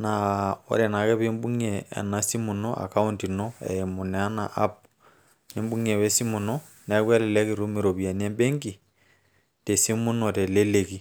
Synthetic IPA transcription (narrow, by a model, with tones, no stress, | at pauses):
na˨ɔ̰˦ɾɛ˨na˨kɛ˦βe˦mbu˦ŋ˦ɛ̰ː˨na˦si˦mu˨nɔ˦ʔa̰˨ka˦u˦nti˨nɔ˦ɛ̰˨ɛ˨mu˨nɛ˨a˦na̰˨ʔa˦p̚ | ni˦mbu˦ŋɛ˨wɛ˦si˦mu˨nɔ˦ | nɛ˨˦kwɛ˦lɛ˨lɛ˦ki˨ɾu˦mi˨ɾo˨βja˨ni˦ɛ˦mbɛ˦ŋɡi˨ | tɛ˨si˦mu˦nɔ˨tɛ˨le˦le˨ki˦